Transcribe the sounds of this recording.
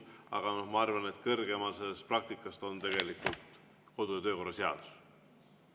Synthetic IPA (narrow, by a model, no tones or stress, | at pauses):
ɑ̰ɡ̥ɑno̞hmɑɑrvɑne̞t̪kɤrɡ̥e̞mɑsesprɑk̚t̪ikːˑɑst̪o̞nt̪e̞ɡ̥e̞likult̪ | ko̞d̪uet̪ø̞ːko̞rːɑse̞ɑ̰d̪̥u̥s